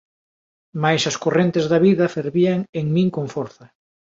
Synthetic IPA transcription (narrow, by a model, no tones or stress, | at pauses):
majsɐskorent̪ezðɐβiðɐfeɾβiaŋeŋmĩŋkoŋfoɾθɐ